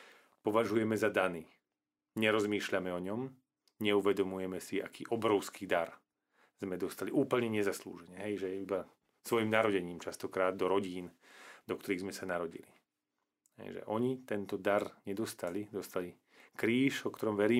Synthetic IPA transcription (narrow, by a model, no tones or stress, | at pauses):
pɔʋaʒujɛmɛzad̪aniː | ɲɛɾɔzmiːʃʎamɛɔɲɔm | ɲɛuʋɛd̪ɔmujɛmɛsia̰kʰiːʔɔbɾɔʊskiːd̪aɾ | z̥mɛd̪ɔst̪aliʔuːpl̩ɲɛɲɛzaslṵːʒɛɲɛɦɛjʒɛjɛiba | sʋɔjimnaɾɔɟɛɲiːmt͡ʃast̪ɔkɾaːd̪ːɔɾɔɟiːn | d̪ɔkt̪ɔɾiːɣzmɛsanaɾɔɟḭlḭ | ɦɛ̰jʒɛ̰ʔɔɲit̪ɛnt̪ɔd̪aɾɲɛd̪ɔst̪alid̪ɔst̪ali | kɾiːʃɔkt̪ɔɾɔmʋɛɾiː